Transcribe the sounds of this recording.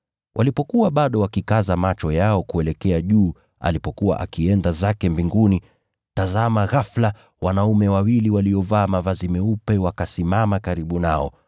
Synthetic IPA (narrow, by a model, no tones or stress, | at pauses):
wʔalipɔkuwaɓaɗɔwakikazamat͡ʃɔjaɔkuɛlɛkɛaʄuː | a̰lipɔkuwa̰ʔa̰kiɛndazakɛmbiŋɡuni | tazamaɣafla | wanaumɛwawiliwaliɔvaːmavazimɛupɛwakasimamakaɾiɓunaɔ̰